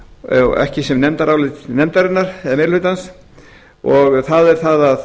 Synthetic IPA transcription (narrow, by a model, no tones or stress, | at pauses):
ɛ̰hcɪsɛmnɛmt̪aɾaːwlɪt̪nɛmt̪aɾɪnːaɾɛmɪɾlhʏːt̪ans | ɔɣθaðɛɾ̥θaðað